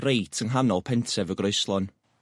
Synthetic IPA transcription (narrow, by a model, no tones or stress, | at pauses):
rejtʰənɦanɔlˠpʰɛntʰɛvəɡrojslˠɔn